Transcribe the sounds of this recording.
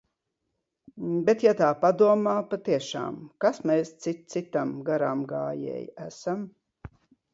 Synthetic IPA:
bet̪jat̪aːpad̪uɔmaːpat̪iɛʃa̰ːmkasmeːst̪sit̪̚t̪sit̪amɡaɾamɡaːjɛ̰jæsam

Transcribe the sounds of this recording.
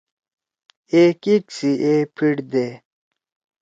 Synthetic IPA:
eːkiksiʔeːpʰiɽd̪eː

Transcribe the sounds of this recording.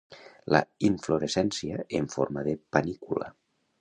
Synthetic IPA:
lʔa̰iɱfloɾesɛnsiaeɱfo̰ɾmaðepanikula̰

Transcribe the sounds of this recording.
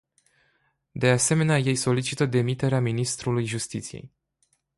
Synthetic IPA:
d̪e̞ase̞me̞neaje̞jso̞lit͡ʃit̪əd̪e̞mit̪e̞ɾeaminist̪ɾulujʒust̪it̪sijḛj

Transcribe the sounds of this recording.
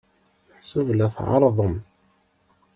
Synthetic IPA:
ħsuvlæθʕɑ̰ɾˤðˤəm

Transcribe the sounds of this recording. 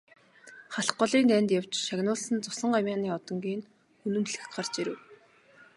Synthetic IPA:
χaɬχɢɔɮiːnt̪ænʲt̪jaw̥t͡ɕʃaɣnʊːɮsə̆nt͡sʊsə̆ɴɢamʲaːniːɔt̪ɞ̆ŋɡiːn | xɵnɵ̆mɮɘ̆xɢart͡ɕiɾɘ̆w

